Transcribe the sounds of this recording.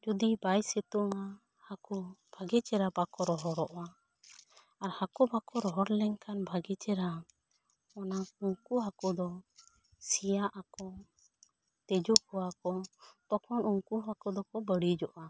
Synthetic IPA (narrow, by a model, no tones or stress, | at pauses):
d͡ʒud̪ibajsɛt̪uŋa | hakubʱaɡɛt͡ʃɛɾabakɔɾɔɦɔɾɔʔa | aɾhakɔbakɔɾɔɦɔɾlɛŋkanbʱaɡɛt͡ʃɛɾa | ɔnauŋkuɦakɔd̪ɔ | sijaʔakɔ | t̪ɛd͡ʒɔkɔwakɔt̪ɔkʰɔnuŋkuɦakɔd̪ɔkɔbəɽid͡ʒɔʔa